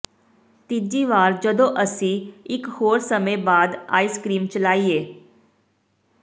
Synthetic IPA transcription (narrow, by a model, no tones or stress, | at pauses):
t̪id͡ʒiːʋaːɾd͡ʒəd̪õːʔəsĩːɪkhoːɾsəmẽbaːd̪a̰ːiːskɾiːmt͡ʃəlaːieː